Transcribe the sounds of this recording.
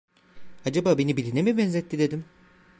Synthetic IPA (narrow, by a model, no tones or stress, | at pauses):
ad͡ʒabaːbe̞nibilʲinemibɛnzɛt̪ːid̪e̞d̪im